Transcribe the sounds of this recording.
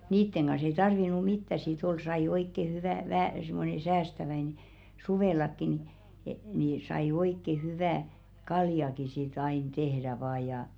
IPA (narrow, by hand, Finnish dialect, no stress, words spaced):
niːtːeŋ ɡ̊ɑn̞s ei tɑrʋinu mitːæ sit ol sɑi oikːe hyʋæˑ ʋæhæˑ simːone sæːstæʋæine suʋeˑlɑkːi ni ni sɑi oikːe hyʋæˑ kɑljɑki sit ɑin tehɾæ ʋɑː jɑˑ